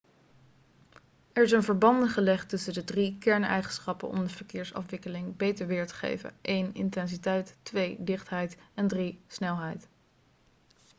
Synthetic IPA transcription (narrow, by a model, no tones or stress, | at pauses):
ɛɹɪs̬ənvəɹbɑndəχəlɛχtɵsəndədrikɛɹnɛ̰jχənsχɑpə̰nɔ̰mdəv̥əɹkɪːɹsɑ̰fʋɪkəlɪŋbejtəɹʋɪːɹtə̥χḛjvə̰ʔejnɪ̰ntɛns̬itɛjtːʋejdɪχtɦɛjtɛndrisnɛlˠɦɛjt